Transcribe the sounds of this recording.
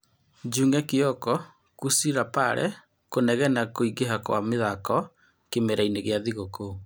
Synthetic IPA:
d͡ʒuŋɡɛkeɔkɔ | kusiɾapaɾʔɛ̰ | konɛɣɛnakoiɡeɦakwa̰meðakɔ | kemeɾaineɣeaðiɣoko

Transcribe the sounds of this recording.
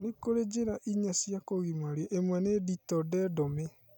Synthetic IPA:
nekoɾed͡ʑeɾaʔiɲasijakoɣimaɾeʔemwɛneditɔdɛdɔme

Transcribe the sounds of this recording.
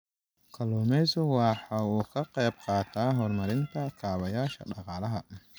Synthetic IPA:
kʰɐlɔmɛsʊwɑħɑːuːkʰɐqɛjb̚qɑːt̪ʰaːɦɔrmɐɾɪnt̪ʰɐkʰaːβɐjaːʃɐ̰ɖɑqɑːlɐɦɐ

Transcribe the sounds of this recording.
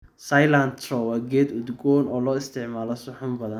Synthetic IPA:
sajlant̪ʰrɔwaːɡɛːd̪ʊd̪ɡɔːnɔːlɔːɪst̪ʰɪʕmaːlɔsʊħʊmbɐðɐn

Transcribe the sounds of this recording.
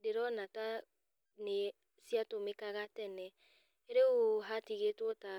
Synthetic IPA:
deɾɔnata | ne | siatomekaɣatɛnɛ | eɾeoɦatiɣetwɔta

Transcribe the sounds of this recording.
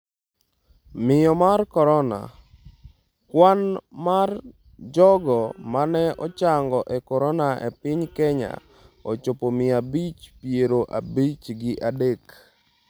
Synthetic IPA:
mɪjɔmarkɔɾɔna̰ | kwanmar | d͡ʒɔɡɔmanɛɔt͡ʃaŋɡɔʔɛkɔɾɔnaʔḛpɪɲkɛɲa̰ | ot͡ʃopomɪabit͡ʃpjeɾoʔabit͡ʃɡɪʔadek

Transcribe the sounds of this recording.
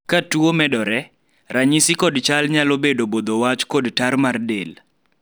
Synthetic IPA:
katuomɛdɔɾɛ | raɲisikɔdt͡ʃalɲalobedobod̪owat͡ʃkɔdtarmardel

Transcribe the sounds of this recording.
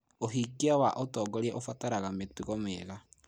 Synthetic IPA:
oɦikeawaʔotɔːɡɔɾeɛʔofataɾaɣametuɣɔmeɣa

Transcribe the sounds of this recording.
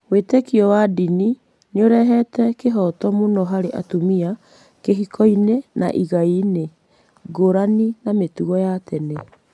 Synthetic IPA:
wetekiɔwadini | neoɾɛɦɛtɛkeɦɔtɔmonɔɦaɾeʔa̰tomia | keɦikʰɔinena̰ʔiɣaine | ɡoɾaninametuɣɔjatene

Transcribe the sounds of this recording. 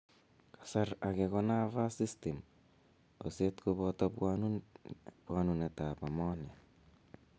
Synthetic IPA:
kasaɾakekonaβasistem | osetkuβotopuanunpwanunetapamone

